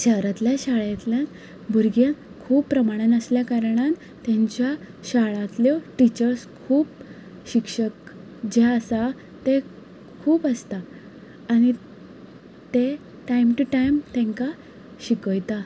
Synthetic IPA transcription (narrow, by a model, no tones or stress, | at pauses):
ɕəɾat̪ljaɕaɭjat̪ljan | bʱuɾɡjan | kʰuːppːɾəmaɽ̃ənəsljakaɾɽ̃an | t̪jãɲt͡ɕja | ɕaɭãt̪ljoʈit͡ɕəɾskʰuːp | ɕikʂək | d͡ʑeəsa | t̪e | kʰuːpəst̪aː | ɽ̃i | t̪e | ʈajmʈuʈajmt̪ɛ̃ŋka | ɕikəjt̪a